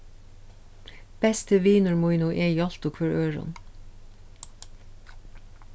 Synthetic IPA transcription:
b̥ɛst̪əʋiːnʉɹmʊɪnuːʔeːiːɑlt̪ʊkʰʋœɹʔøːɹʊ̰n

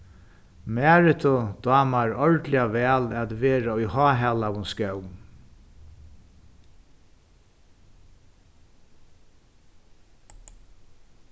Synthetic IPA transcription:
mæːɹɪt̪ʰʊd̪̥ɑːmaɹɔɹt̪lɪaʋɛːlɛt̪ʋeːɾaʊjhɑːɦɛːlawʊnskœwm

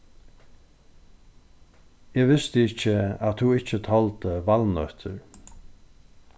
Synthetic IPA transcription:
ɛːɡʋɪst̪əɪt͡ʃəat̪huɪt͡ʃət̪ʰɔlt̪əʋalnœt̪ʰə̰ɹ

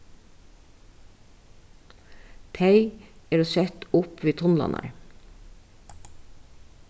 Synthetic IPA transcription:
t̪ʰeɪeːɾoːsɛt̪ʊpʋiːt̪ʰɔnlɑ̰nɑ̰ɾɹ

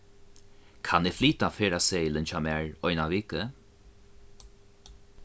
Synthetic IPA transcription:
kʰanɪfliːt̪afeːɹaseːlənt͡ʃamɛɹɔjnaviːkə

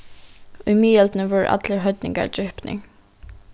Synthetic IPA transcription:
ʊjmiːɛlt̪nəvʊɹ̰ʔa̰t̪ləɹɦœt̪nɪ̰ŋka̰ɹd͡ʒɪhpnɪ̰ŋ

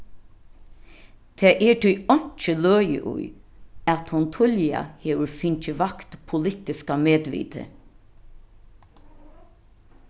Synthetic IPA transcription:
t̪ʰeːʔɛʈʰʏɔɲ̥t͡ʃəlœːjə̰ʔʊ̰jat̪hʊnt̪ʰʊlja̰heːwəɹfɪɲt͡ʃəʋakt̪pʰʊlɪt̪ɪskameːd̪ʋḭːt̪ə̰

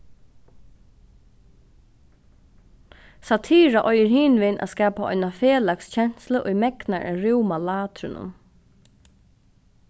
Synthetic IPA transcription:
sat̪ʰiːɾaʔɔjəɾhiːnʋɪnʔa̰skaːpaʔɔ̰jnafeːlakst͡ɕʰɛn̥sləʔʊjmɛknaɹʔɛ̰ɾɪwmalaːt̪ɾɪnʊ̰m

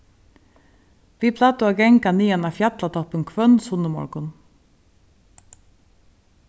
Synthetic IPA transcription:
ʋiːpʰlɑːt̪əoːɡɛŋkɑniːɛnɑːfjɑt̪lɑt̪ʰɔpənkʰʋœnsʊnəmɔ̰ɾkʊn

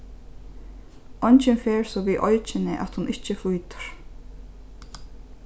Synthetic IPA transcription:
ʔɔɲt͡ʃɪnfeːɹsɔʋiːʔɔjt͡ʃɪnɪʔa̰t̪hʊnʔɪt͡ʃːəfujt̪ə̥ɹ̥

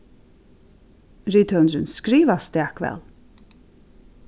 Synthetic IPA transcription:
ɹiːt̪ʰœnɹənskɾiːʋast̪ɛːkʋɛ̰l

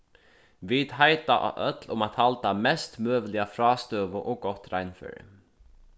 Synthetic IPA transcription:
ʋid̪̥ɦajt̪a̰ʔœt̪lʊmat̪halt̪amɛst̪møːʋlɪafɾɑːst̪øːʋʊʔɔɡɔt̪ɾajnfœ̰ːɹɪ̰

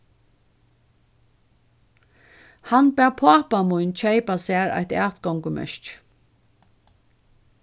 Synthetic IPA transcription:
hanbæːpʰaːpamujnt͡ʃʰeɪpasæːɹa̰jht̪æːt̪ɡɔŋkəmɛ̰ʃt͡ʃ

